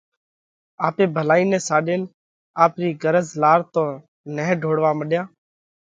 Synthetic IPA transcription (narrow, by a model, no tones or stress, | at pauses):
aːpeːbʱəlaːiːnɛ̃ːsaːɗeːn | aːpɾiːɡəɾəzlaːɾt̪õː | nəɦɖʱoːɽʋaːməɗjaː